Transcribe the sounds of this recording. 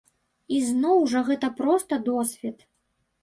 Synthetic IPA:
iznɔwʐɐɣɛt̪ɐpɾɔst̪ɐd̪ɔsʲvʲɛt̪

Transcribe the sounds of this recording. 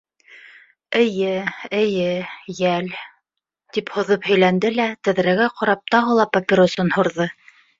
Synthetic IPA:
ɘ̆jɘɘ̆jɘjæl | t̪iphŏðɤphɵ̆jlænd̪ɘlæt̪ɘ̆ðɾæɡæqɑɾɑp̚t̪ɑʁɤlˠɑpɐpʲɪɾosɤnhŏɾðɤ

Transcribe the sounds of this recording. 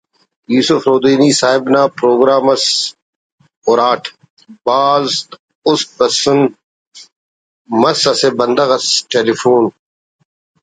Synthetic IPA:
juːsʊfɾoːd̪iːniːsaːɦɪbnaːpɾoːɡɾaːmɐs | oːɾaːʈʰ | baːzt̪ | ʊsbɐsʊn | mɐsɐsebɐnd̪ɐɣɐsʈeːlifuːn

